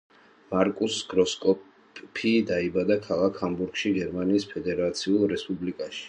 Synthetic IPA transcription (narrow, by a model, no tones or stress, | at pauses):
maɾkʼusɡɾɔskʼɔ | pʰid̪aibad̪akʰalˠakʰhambuɾɡʃiɡɛɾmaniːspʰɛd̪ɛɾat̪sʰiulˠɾɛspʼublikʼaʃi̥